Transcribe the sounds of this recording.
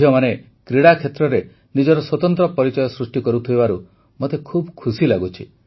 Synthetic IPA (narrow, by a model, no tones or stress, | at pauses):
jɔmane | kɾiɽakʰet̪ɾɔɾe | nid͡ʒɔɾɔswɔt̪ɔnt̪ɾɔpɔɾit͡ʃɔjɔsɾusʈikɔɾut̪ʰujbaɾu | mot̪ekʰubkʰusilaɡut͡ʃʰi